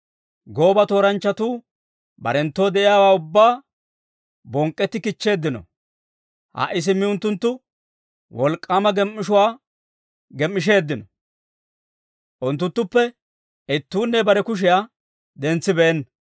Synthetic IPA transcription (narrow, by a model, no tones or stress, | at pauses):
ɡo̞ːbɐt̪o̞ːɾɐnt͡ʃːɐt̪uː | bɐ̰ɾɛnt̪ːo̞ːd̪ɛʔɪjaːwaːʊbːaː | bɔŋkʼːɛt̪ːɪkɪt͡ʃːe̞ːd̪ːɪnɔ̰ | ha̰ʔɪs̬ɪmːɪʊnt̪ːʊnt̪ːʊ | wɔlkʼːaːmɐɡɛmːɪʃʊwaː | ɡɛmːɪʃ̬e̞ːd̪ːɪnɔ | ʔʊnt̪ːʊnt̪ːʊpːɛ | ɪt̪ːuːnːɛbɐɾɛkʊʃ̬ɪjaː | d̪ɛnt͡sːɪbɛɛnː